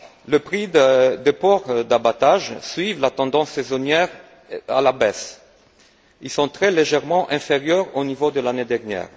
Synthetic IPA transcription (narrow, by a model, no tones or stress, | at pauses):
ləpχid̪d̪əpɔʁd̪abat̪aʒsɥivlat̪ɑ̃d̪ɑ̃sːezonjɛʁ | a̰labɛs | ilsɔ̃t̪χɛleʒɛʁmɑ̃ʔɛ̃feʁjœʁonivod̪əlaned̪ɛʁnjɛ̰ːʁ